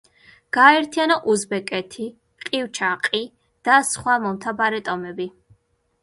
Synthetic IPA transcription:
ɡ̥aːɛɾt̪ʰianɔʔuzbɛkʼɛt̪ʰi | qʼiwt͡ʃʰaqʼi | d̪̥asχwamɔmt̪ʰabaɾɛt̪ʼɔmɛbi

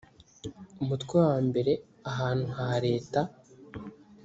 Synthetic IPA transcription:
umutkwewaːmbe̞ɾe̞ | aɦaːn̥huɦaɾe̞ːta

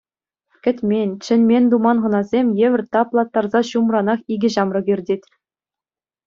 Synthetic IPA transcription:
kʲɘ̆tʲmʲenʲt͡ɕɘ̆nʲmʲenʲd̪umɑnʁɤ̆nɑzʲemʲjeʋʲɘ̆rʲt̪ɑplˠɑt̪ːɑrzɑɕumrɑnɑχiɡʲɘ̆ʑɑmrɤ̆ɡʲirʲdʲetʲ

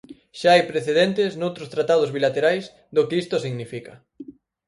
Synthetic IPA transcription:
ʃaajpɾeθeðent̪ɪsnowt̪ɾost̪ɾat̪að̞ozβilat̪eɾajs | d̪okɪist̪osiɣnifikɐ

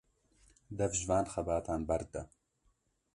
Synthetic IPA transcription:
d̪ɐvʒvaːnxɐbaːt̪ʰaːnbɐɾd̪ɐ

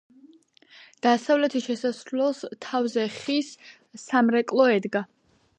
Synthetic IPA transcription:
d̪̥asavlɛt̪ʰiʃɛsasɾlɛlˠst̪ʰavzɛχis | samɾɛkʼlˠɔɛd̪ɡa

